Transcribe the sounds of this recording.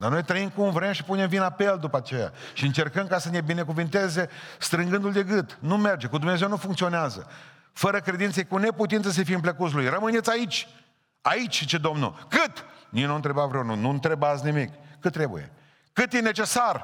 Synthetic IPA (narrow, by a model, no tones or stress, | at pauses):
d̪arno̞jt̪ɾəimkumvɾe̞mʃi̥punemvinape̞ld̪upat͡ʃe̞ja̰ʃiɨnt͡ʃe̞rkəmkasəne̞bine̞kuvɨnt̪e̞ze̞st̪ɾɨŋɡɨnd̪uld̪e̞ɡɨt̪nume̞rd͡ʒe̞kud̪umnezewnufuŋkt̪sio̞neazə | fəɾəkɾe̞d̪int̪sejkune̞put̪int̪səs̬efiɨmpləkut̪s̬lujrəmɨne̞t̪sʲait͡ʃʲ | ait͡ʃʲt͡ʃed̪o̞mnṵkɨt̪ninont̪ɾe̞bavɾenununt̪ɾebat̪snimikːɨt̪ːɾe̞bṵje̞̰ | kɨt̪je̞ne̞t͡ʃe̞sar